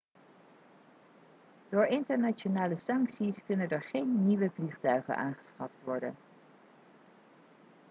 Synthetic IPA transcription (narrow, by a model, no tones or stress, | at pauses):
d̥ʊːɹɪntəɹnat͡ʃonaːləsɑŋksiskɵnəndəɹχejnːiʋəvliχtœɥχə̰nʔa̰ːnχə̥sχɑftʋɔɹdə̰n